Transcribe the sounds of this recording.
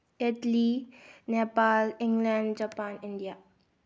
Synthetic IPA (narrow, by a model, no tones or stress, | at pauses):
ɪʈlinepalɪ̃ŋɡlãnɖd͡ʒapãnɪ̃ndia